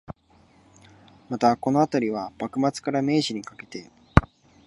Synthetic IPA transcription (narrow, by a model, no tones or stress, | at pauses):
mat̪ako̞no̞at̪aɾʲiβ̞ab̥akɯ̟mat͡sɨ̥kaɾame̞ːʑiɲ̟ikake̞̥t̪e